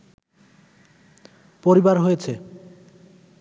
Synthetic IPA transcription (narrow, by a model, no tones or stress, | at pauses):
poɾibaɾɦojet͡ɕʰe